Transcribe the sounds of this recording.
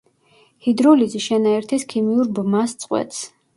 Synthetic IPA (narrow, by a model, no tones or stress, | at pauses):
hid̪ɾɔliziʃɛnaɛɾt̪ʰiskʰimiuɾbmast̪sʼqʼwɛ̰t̪s